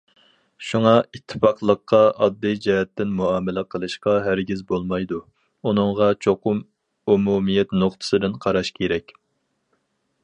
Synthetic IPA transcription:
ʃuŋɑit̪ʰːɨ̥pɑqlˠəqʰːɑʔɑd̪ːijd͡ʒɛɛt̪ʰːɪnmuɑːmɪlɛqʰəlˠɨʃqɑɦæɾɡʲizbolˠmɑjd̪u | unɨŋʁɑt͡ʃʰoqʊm | umumijɛt̪noqt̪ʰə̥sɨd̪ɨnqʰɑɾɑʃkʲʰeɾɛkʲ

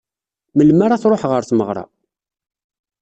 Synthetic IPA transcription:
məlmaɾaθɾˤoħʁəɾθməʁɾˤɑ̰

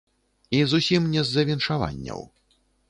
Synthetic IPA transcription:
izusʲimnʲɛzːɐvʲinʂava̰nʲːɐ̰w

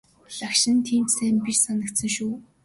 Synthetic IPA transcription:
ɮakʃɪ̆nt̪ʰiːmt͡ɕsæːmpiʃsanə̆kt̪sə̆ŋʃuː

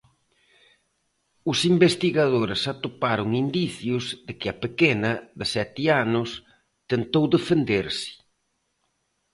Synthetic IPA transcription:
ʊsimbest̪iɣaðoɾɪsat̪opaɾʊŋind̪iθjʊzðɪkɪɐpekenɐðɪsɛt̪ianʊs | t̪ent̪owðefend̪eɾsɪ̥

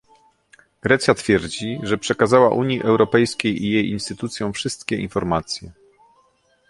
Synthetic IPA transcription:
ɡ̥ɾɛt̪sʲjat̪fʲjɛɾd͡ʑiʐɛpʂɛkazawaʔuɲjiʔɛwɾɔpɛjskʲejijejinst̪ɘt̪ut̪sʲjɔ̃w̃fʂɘst̪kʲɛʔḭnfɔɾmat̪sʲjɛ

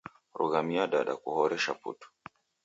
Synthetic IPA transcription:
ɾṵɣamiaɗaɗa̰kuhɔɾɛʃapṵtu̥

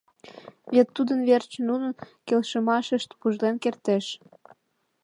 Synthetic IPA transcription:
βet̪ːud̪ənβert͡ɕnunənkelʃə̆mɑʃəʃt̪puʒlenkert̪eʃ

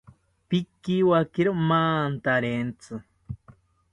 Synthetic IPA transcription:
pikiwakeɾomaːnt̪aɾent͡sʰɨ

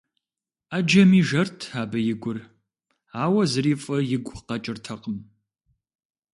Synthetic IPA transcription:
ad͡ʒɐmiːʒɐrtʰaːbɐjɪɡʷʊr | aːwɐzɨriːfʼɐjɪɡʷʼqɐt͡ʃʼɪrtʰɐqəm

